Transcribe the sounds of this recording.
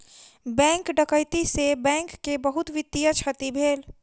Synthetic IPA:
bɛ̃ːŋkɖəkəjt̪isebɛ̃ːŋkːebəɦʊt̪ʋɪd̪ijət͡ʃʰət̪ibʱeːl

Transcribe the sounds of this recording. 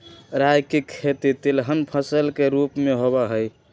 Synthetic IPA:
ɾajkekʰet̪it̪ilɦənpʰəsəlkeɾupmeɦobaɦəj

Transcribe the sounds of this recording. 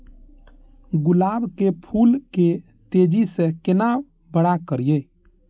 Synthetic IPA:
ɡʊlaːbkepʰulke | t̪ed͡ʒisẽkena | bəɽakəɾije

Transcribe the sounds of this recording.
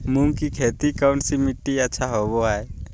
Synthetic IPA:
muŋkikʰet̪ikawɳʈsimiʈːiaːʃʰaɦɔbɔae

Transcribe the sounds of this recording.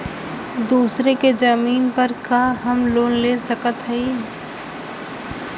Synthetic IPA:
d̪uːsɾeked͡ʒəmiːnpəɾkaːɦɐmloːnleːsəkət̪ɦɛi

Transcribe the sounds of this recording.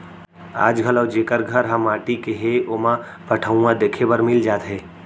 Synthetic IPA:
a̰ːd͡ʒɡʱələːd͡ʒeːkəɾɡʱəɾɦə̃mːãːʈikeɦeomã | pɐʈʰəũãd̪eːkʰebəɾmɪld͡ʒaːt̪ɦɛː

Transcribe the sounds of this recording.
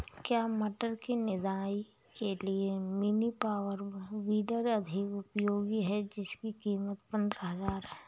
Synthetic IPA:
kjaːmɐʈəɾkinɪd̪aːi | keliemɪnipaːwəɾʋiːɖəɾɐd̪ʱɪkʊpjoːɡiɦɛd͡ʒɪskikiːmət̪pə̃nd̪ɾəɦəzaːɾɦɛː

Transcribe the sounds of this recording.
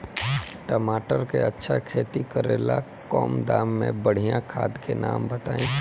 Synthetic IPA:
ʈəmaːʈəɾkeɐtːʃʰakʰeːt̪ikəɾeːla | kɔːmd̪aːmːẽbəɽ̤ijãkʰaːd̪kenaːmbət̪aːĩː

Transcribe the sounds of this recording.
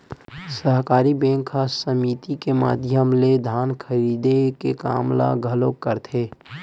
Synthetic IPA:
səɦkaːɾibẽːŋkʰːasəmiːt̪ikema̰ːd̪ʱjəmled̪ʱaːnkʰəɾiːd̪ekeka̰ːmla̰ɡʱəlokːəɾt̪ʰeː

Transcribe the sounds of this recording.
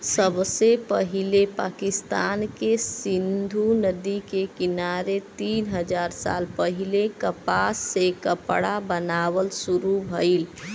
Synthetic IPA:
səbsepəɦilepa̰kist̪ankesind̪ʱunəd̪ikekinaɾet̪iːnɦəd͡ʒaɾsa̰lpəɦilekəpasːekəpɽabənaʋəlsuɾubʱəl

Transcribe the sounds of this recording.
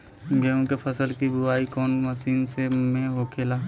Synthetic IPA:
ɡəõkepʰɐsəlkibʊʋaːikɔːnmɐʃiːnsemẽɦoːkʰeːlaː

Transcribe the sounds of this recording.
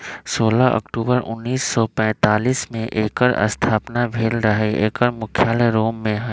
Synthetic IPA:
soːlaʔɐ̰kʈuːbəɾʊ̰nːiːsːɔpɛ̃ːt̪aːliːsmẽʔeːkəɾə̰st̪ʰaːpnabʱeːlɾɐɦeeːkəɾmʊkʰjaːleɾoːmːẽɦ

